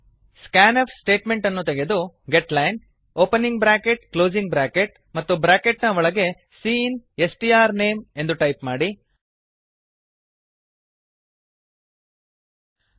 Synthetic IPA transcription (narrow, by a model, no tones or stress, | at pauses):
skaːnɐpsʈe̞ːʈme̞ɳʈɐnːut̪eɡe̞d̪u | ɡeʈlɐjn | oːpeniŋɡ̚bɾaːkeʈklo̞ːd͡ʒiŋɡ̚bɾaːkeʈ̚ | mɐt̪ːubɾaːkeʈnɐʋɔɭɐɡe̞ | siːnesʈiːaːɾne̞ːme̞nd̪uʈɐjpmaːɽi